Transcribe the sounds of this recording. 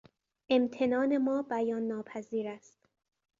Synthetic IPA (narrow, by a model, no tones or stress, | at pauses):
ʔe̞mt̪ʰe̞nɒːne̞mɒːbæjɒːnːɒːpʰæziːɾæst̪